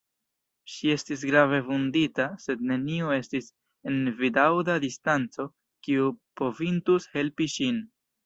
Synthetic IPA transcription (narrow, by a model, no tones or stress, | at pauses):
ʃie̞stis̬ɡɾave̞funditase̞d̚ne̞nioe̞stis | e̞nvidawdadistant͡so̞ | kiupo̞vintushe̞lpiʃin